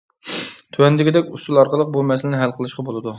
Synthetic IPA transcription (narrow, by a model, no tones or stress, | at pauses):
t̪ʰywɛnd̪ɪɡʲid̪ɛkʲust̪ulˠɑɾqəlˠəq̚bolˠmɛslɪnɪɦælqʰəlˠɨʃqɑbolˠɨd̪u